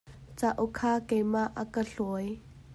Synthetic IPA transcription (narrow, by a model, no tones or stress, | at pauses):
t͡saʔukʰaːkejmaʔakəɬuj